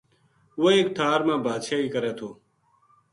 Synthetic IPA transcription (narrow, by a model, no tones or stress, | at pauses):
ʋooeːkʈ̪ʰaːɾmãːbaːd̪ʃaːiːkəɾeːt̪ʰoː